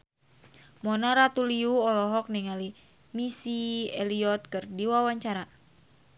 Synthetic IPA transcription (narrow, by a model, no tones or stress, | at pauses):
mɔnaɾat̪uliuɔlɔɦɔk̚niŋali | misiɛliɔt̪̚kɨrdiwawaɲt͡ʃaɾa